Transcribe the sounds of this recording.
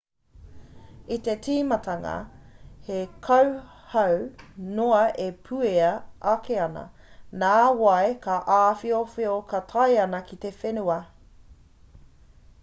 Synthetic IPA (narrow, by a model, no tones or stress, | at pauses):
it̪etʰiːmɐtʰɐŋɐ̰hekʰɐw | hɐwnoɐʔepʰʉeɐʔɐkeɐnɐ̰ | naːwɐekaʔaːfiofeokɐtʰɐjɐnɐkit̪efenuɐ